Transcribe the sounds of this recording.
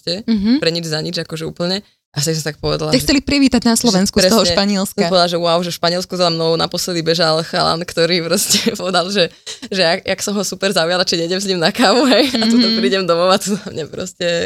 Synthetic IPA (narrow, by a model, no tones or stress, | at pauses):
ɛɦ̩pɾɛɲid͡ʒzaɲid͡ʒakɔʒɛṵːpl̩ɲɛ | ʔaft̪ɛs̬ɔmt̪ak̚pɔʋɛ̰d̪alaɛxkt͡sɛlipɾiʋiːt̪aɟnaslˠɔʋɛnskuɾɛɔɔɦɔʃpaɲɪɛlsk̪abɔlˠaʒɛwʊaʊʒɛfʃpaɲɪɛlskuzalamnɔɔna̰pɔslɛd̪ibɛʒalˠxa̰la̰nkt̪ɔɾiːpɾɔscɛpɔʋɛd̪alˠʒɛʒɛakaksɔmɦɔsupɛɾzaujalat͡ʃiɲɛiɟɛms̬ɲimnakaːʋuɦɛjat̪ut̪ampɾiːɟɛmd̪ɔmɔʊat̪uzamɲapɾɔ̰scɛ